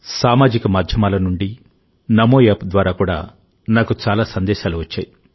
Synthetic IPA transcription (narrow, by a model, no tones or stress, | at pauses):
saːmaːd͡ʒikɐmad̪ʱjɐmaːlɐnuɳɖi | nɐmoːjaːpd̪ʋaːɾaːkuːɽa̰ː | naːkut͡ʃaːlaːsɐnd̪ɛːʃaːluʋɐt͡ʃːa̰ːji